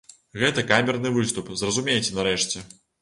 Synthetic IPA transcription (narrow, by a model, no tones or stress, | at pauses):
ɣɛt̪ɐkamʲɛrnɨvɨst̪upzrɐzumʲejt͡sʲɛnɐɾɛʂt͡sʲɛ